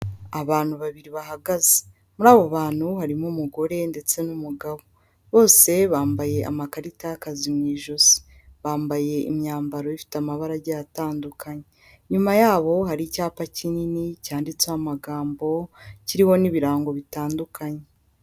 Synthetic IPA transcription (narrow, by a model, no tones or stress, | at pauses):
aβaːn̥huβaβiɾiβaɦaɡaze̥ | muɾaːβo̞βaːn̥huhaɾimumuɡo̞ɾe̞nde̞t͡se̞numuɡaβo̞ | βo̞ːse̞βaːmbaje̞a̰makaɾitakazimŋiːʒozi̥ | βaːmbaje̞ḭmɲaːmbaɾo̞ifi̥tamaβaɾaɟajataːndukaɲe | ɲumajaːβo̞ɦaɾicaːpacininicaːndit͡seamaɡaːmbo̞ciɾiho̞niβiɾaːŋɡo̞βitaːndukʰaɲe